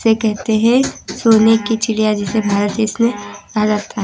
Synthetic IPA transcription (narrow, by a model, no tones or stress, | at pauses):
sekɛɦt̪eɦɛ̃soːnekit͡ʃʰɪɽijad͡ʒɛsebʱaːɾət̪esmẽaːd͡ʒaːd̚t̪ʰaɦ